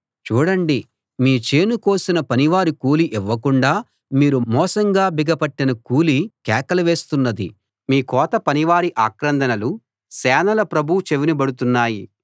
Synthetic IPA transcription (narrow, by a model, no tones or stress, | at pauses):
t͡ʃuːɽɐɳɖi | miːt͡ʃeːnuko̞ːsinɐpɐniʋaːɾikuːliʔiʋːɐkuɳɖaː | miːɾumɔːsɐŋɡaːbiɡɐpɐʈːinɐkuːlikɛːkɐlɐʋe̞ːst̪unːɐd̪ḭ | miːkɔːt̪ɐpɐniʋaːɾiʔaːkɾɐnd̪ɐnɐlu | sɛːnɐlɐpɾɐbʱut͡ʃeʋinibɐɽut̪unːaːji